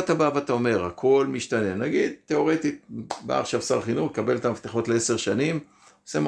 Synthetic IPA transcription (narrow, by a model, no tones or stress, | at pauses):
t̪abavat̪aome̞ʁakʰo̞lmiʃt̪ane̞naɡid̪̚tːe̞o̞ʁe̞t̪it̪̚ba̰ːχʃavsaʁχinuχkabe̞lt̪amaft̪eχo̞t̪leese̞ʁʃanim | osem